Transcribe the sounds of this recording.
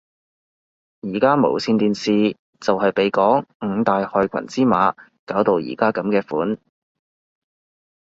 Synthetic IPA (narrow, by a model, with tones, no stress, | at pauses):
jiː˨˩kaː˥mo̰˨˩wsiː˧nt̪iː˨nsiː˨˧ | t͡sɐ˨whɐ˨jpe˨jkɔː˨˥ŋŋ̩˨˧t̪aː˨jhœː˨˧jkʷʰɐ̰˨˩nt͡siː˥maː˨˧kaː˨˥wt̪o˨wjḭː˨˩kaː˥kɐ˨˧˥mkɛː˧fuː˨˥n